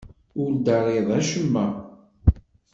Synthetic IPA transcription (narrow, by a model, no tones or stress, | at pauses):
ʊɾd̪ɑɾˤeðˤæʃəmːæ